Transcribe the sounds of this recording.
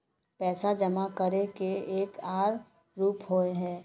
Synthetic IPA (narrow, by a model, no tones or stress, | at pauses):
pɛːsad͡ʒəmakəɾekeeːkaːɾ | ɾuːpɦoeɦɛ̃ː